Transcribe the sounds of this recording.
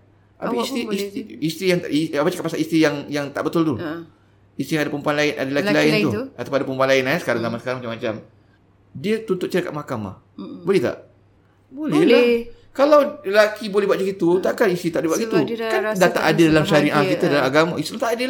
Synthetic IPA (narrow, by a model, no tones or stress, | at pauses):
ʔa̰piisiisist̪ɾijaŋiapat͡ʃakapasa̰list̪ijaŋjaŋt̪a̰ʔbət̪ʊlt̪u | ist̪ijaŋadapəmpuanlaɪnʔa̰dalakilaɪnt̪uat̪apʊadapəmpuanlaɪnasə̥kaɾaŋzamasə̥kaɾaŋmat͡ʃamːat͡ʃam | diət̪unt̪ʊt̪̚t͡ʃəɾika̰ʔ̪makama̰ | bolɛht̪a̰ʔ | bolɛla | kalawlakibolɛbaʔ̪̚d͡ʒəɡit̪ut̪aʔkanist̪ɾit̪aʔdibuaʔɡit̪ukandat̪a̰ʔadədalamsaɾinʔakit̪adalamaɡamaist̪itlut̪aʔadəl